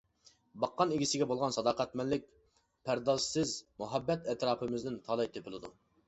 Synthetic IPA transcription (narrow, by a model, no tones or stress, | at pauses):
bɑqːɑnɪɡʲisɪɡʲɛbolˠʁɑnsɑd̪ɑːqɛt̪mɛnlɪk̚ʲ | pʰæɾd̪ɑssɪzmuɦɛbːɛt̪ɛt̪ɾɑːpʰɨmɪznɪnt̪ʰɑlˠɑjt̪ʰepʰɪlˠɨd̪u